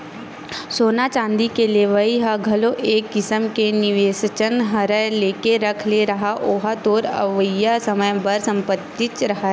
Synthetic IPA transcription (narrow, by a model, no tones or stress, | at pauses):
soːnat͡ʃãːnd̪ikeleʋɐiɦaɡʱɐloʔeːkːɪsəmkenɪʋeːsət͡ʃənɦɐɾəleːkeɾɐkʰleɾɐɦaʔoːɦat̪oːɾɐ̰ʋəjasɐməjbɐɾsɐ̃mpət̪ːɪt͡ʃɾɐɦaɦɛ